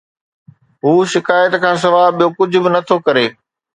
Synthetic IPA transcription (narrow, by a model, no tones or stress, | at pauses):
ɦuːʃɪkaːjət̪kʰãːs̬ɐʋaːɓijokʊd͡ʑʱʊ̆bɪnɐt̪ʰokɐɾeː